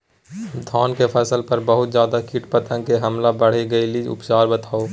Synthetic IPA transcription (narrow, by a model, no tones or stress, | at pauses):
d̪ʱɔːnkepʰɐsəlpɐɾbəɦʊt̪̚d͡ʒjaːd̪akiʈpət̪ə̃nkeɦɐmlabəɽ̤iɡəiliʊ̰pt͡ʃaːɾbət̪ʰaːo